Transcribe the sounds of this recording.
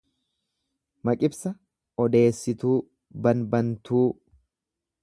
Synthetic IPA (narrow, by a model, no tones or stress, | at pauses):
mɐkʼɪbsɐ | ɔd̪e̞ːsːɪt̪uː | bɐnbɐnt̪uː